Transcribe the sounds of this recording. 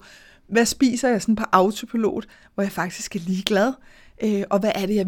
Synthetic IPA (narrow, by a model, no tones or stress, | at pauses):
ʋæsb̥ḭːsɐjɑ̈ɪsɒ̽npʰɒ̽ʔɑ̈ʊt͡sʰo̝pʰilo̝̰ːð̩ˠ | ʋɒjɑ̈ɪfɑ̈ɡ̥̚d̥isɡ̥æɐliːɡ̥læð̞ˠ | ʔøʔɒ̽ʋæʔæɐɾ̥e̝jɑ̈ɪ